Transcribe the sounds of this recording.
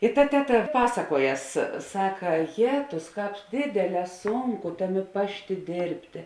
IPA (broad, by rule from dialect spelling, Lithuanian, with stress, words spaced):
ɪr tɐ ˈtʲæːˌtɐ ˈpɑːsɐkuɔˌjɛs ˈsɑːkɐ ˈjæːtʊs ˈkɑːp ˈdʲeːdʲeːˌlʲɛː ˈsuːŋˌkʊ ˈtɑːˌmʲeː ˈpɑːʃʲˌtʲeː ˈdʲeːrʲpʲtʲeː